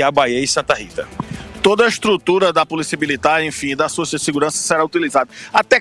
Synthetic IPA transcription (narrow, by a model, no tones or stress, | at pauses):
abajeisɐ̃t̪ɐhit̪ɐt̪od̪ɐiʃt̪ɾut̪uɾɐd̪ɐpolisiɐmilit̪aɾẽfĩd̪ɐsosɐseɡuɾɐ̃sɐ̥seɾaut̪ilizad̪ɐat̪ɛ